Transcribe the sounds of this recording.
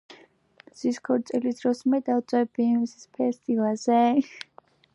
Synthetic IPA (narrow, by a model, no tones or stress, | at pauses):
z̥iskʰɔɾt̪sʼilisd̪ɾɔsmɛd̪awt̪sʼwɛbisispʰɛst̪ʼivazɛ